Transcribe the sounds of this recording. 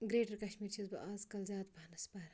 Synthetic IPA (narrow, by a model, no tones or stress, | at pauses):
ɡɾeːɖɐɾkɐʃmiːɾt͡ʃʰizbɐʔaːzkɐlzaːd̪bʱɐnɐsbɐɾ